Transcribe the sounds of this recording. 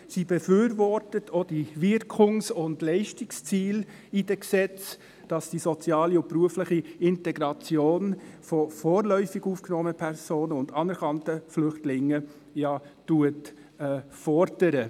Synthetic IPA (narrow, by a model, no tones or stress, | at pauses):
sibɛfyːɾvɔɾtətʰod̥ivɪɾkʰʊŋsʊndlɛɪʃtɪkst͡siːl | id̥ɛksɛt͡s | d̥ɑsd̥isɔt͡sjɑːliʊpruəflɪχiɪntɛɡɾɑt͡sjoːnfɔfoːɾlœʏfɪɡuːfknɔːməəpʰɛɾsoːnəʊndɑnɛɾkʰɑntəflʏχtlɪŋːə | jɑtuət | ɛːfɔɾd̥əɾə